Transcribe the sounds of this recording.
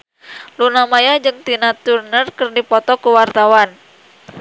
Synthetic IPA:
lunamajad͡ʒɨŋt̪inat̪urnərkɨrdipɔt̪ɔkuwart̪awan

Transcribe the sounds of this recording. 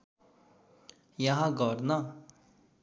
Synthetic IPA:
jaɦãɡɔːɾna

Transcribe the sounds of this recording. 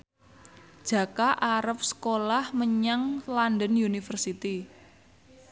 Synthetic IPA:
d̥ʒ̥a̤kaʔaɾəp̚sə̥kolahməɲaŋlandənjunifərsit̪i

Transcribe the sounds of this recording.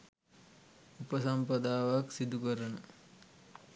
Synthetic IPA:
upəsɐmpɐd̪aːʋaksid̪ukəɾənə

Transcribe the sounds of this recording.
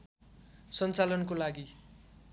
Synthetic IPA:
sʌnt͡salʌnkolaɡi

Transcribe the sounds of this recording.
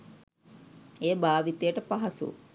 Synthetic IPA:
eːbaːʋit̪ejəʈəpaɦasṵ

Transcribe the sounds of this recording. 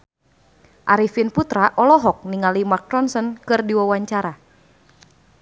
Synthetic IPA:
ʔaɾifinput̪ɾaʔɔlɔɦɔk̚niŋalimak̚ɾɔnsɔnkɨrdiwawaɲt͡ʃaɾa

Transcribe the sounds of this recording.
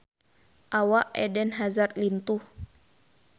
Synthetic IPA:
ʔawaʔɛ̰dɛnɦazarlint̪uh

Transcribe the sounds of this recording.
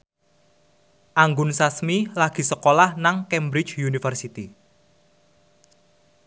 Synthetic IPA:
ʔaŋɡʊnsasmilaɡ̥i̤səkolahnaŋkɛmbɾit͡ʃjunifərsit̪i

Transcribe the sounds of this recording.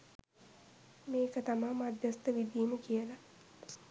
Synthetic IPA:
meːkət̪amamːad̪jəst̪əʋid̪iːməkijəla

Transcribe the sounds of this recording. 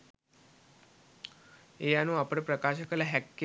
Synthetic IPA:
ejanũapəɳpɾəkaɕəkəlaɦɛkːe

